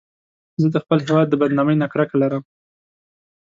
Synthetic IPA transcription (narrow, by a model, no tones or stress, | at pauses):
zəd̪əxpəlɦɪwɑd̪̚ːəbad̪nɑməjnakɽakalaɾəm